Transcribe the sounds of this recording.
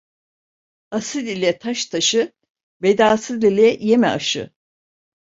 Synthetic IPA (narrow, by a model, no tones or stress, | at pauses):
asɯlʲilʲɛt̪ʰaʃt̪ʰaʃɯ | bed̪aːsɯlʲilʲɛjemɛ̰aʃɯ̰